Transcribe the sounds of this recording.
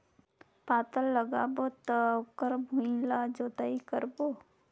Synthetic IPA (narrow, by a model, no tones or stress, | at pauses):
paːt̪əlːəɡaːbot̪əkəɾbʱũĩlad͡ʒoːt̪aikəɾbo